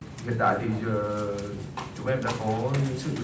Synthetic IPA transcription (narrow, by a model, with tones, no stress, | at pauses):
ɣə̰˨nt̪a̰ː˧˨jt̪ʰi˨˩zəː˨˩ | t͡ɕʊ˨˦ŋ͡mʔɛ˧mla̰ː˧˩kɔ˨˦ɲɨ̰˧˥˦ŋsɨ̰˧˩˧